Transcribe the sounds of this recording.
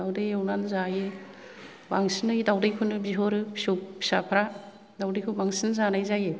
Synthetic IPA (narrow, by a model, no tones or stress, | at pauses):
dawdejewnanzaje | baŋsinɯjdawdejkʰunɯbiɦɔɾɯpisuk̚pʰi̥sapʰɾa | dawdejkʰubaŋsinzanajzaje